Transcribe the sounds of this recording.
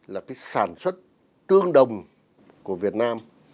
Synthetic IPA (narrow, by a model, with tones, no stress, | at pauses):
laː˨˩kaː˨˦jsaː˧˩nswə˦˥t̚ | t̪ɨ˧əŋɗə˨˩wŋ͡m | ku˧˩əvi˨˩ət̚naː˧m